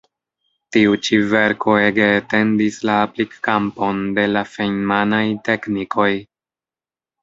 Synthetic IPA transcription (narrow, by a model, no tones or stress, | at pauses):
tiut͡ʃive̞ɾkʰo̞e̞ɡe̞ːte̞ndislaːplikːampo̞nde̞lafejmanajte̞knikʰo̞j